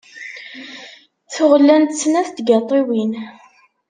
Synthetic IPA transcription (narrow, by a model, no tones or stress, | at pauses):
θʊʁlːænt̪sːnæθt̪ɡɑt̪ˤːiwin